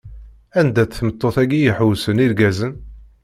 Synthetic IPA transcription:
ænd̪æt͡sθmət̪ːoθæɡijəħwsəniɾɡæzən

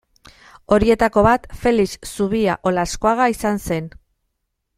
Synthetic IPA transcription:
o̞ɾie̞t̪ako̞βat̪fe̞lissuβia̰ʔo̞lasko̞aɣaisanse̞n

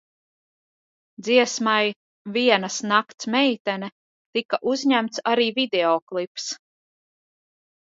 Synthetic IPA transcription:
d̪ziɛsmaj | viɛnasnakt̪smɛjt̪ɛnɛ | t̪ikaʔuzɲæmt̪saɾiːvid̪ɛɔklˠips

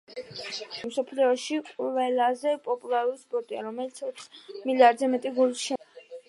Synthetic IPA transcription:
msɔpʰlɛɔʃiqʼvɛlˠazɛpʼɔpʼulˠaɾuɾispʼɔɾt̪ʼia̰ɾɔmɛlit̪sʰɔksmiliaɾd̪zɛmɛt̪ʼiɡulˠisʃɛ

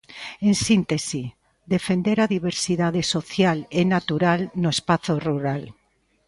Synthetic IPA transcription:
ensint̪esi | d̪efend̪eɾaðiβeɾsiðaðesoθjalenat̪uɾalnoespaθoruɾal

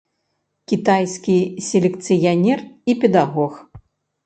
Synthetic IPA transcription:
kʲit̪ajskʲisʲelʲɛkt̪sɨjanʲɛripʲɛd̪aɣɔx

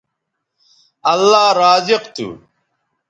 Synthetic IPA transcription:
ɐlːaːɾaːziqt̪ṵ

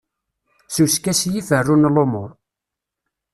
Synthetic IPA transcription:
suskæsjifərːunlomʊɾˤ

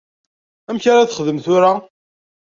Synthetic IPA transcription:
æmçaɾaθəχðəmθʊɾa

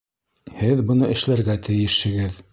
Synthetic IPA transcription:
hɘðbɤ̆nɤʔɘ̆ʃlæɾɡæt̪ɘ̆jɘ̆ʃhɘ̆ɡɘð

